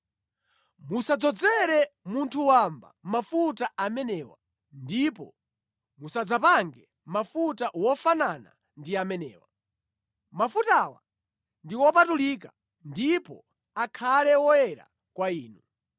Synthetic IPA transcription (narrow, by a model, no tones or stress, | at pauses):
musad͡zɔd͡zɛɾɛmuntʰuwamba̰mafutaamɛnɛːwa̰ | ndipɔ̰ | musad͡zapaŋɡɛ | mafutawɔfanana̰ | ndiamɛnɛ̰ːwa | mafutawa̰ | ndiwɔpatulika | ndipɔ̰ | akʰalɛwɔjɛɾa̰ | kwaiːnu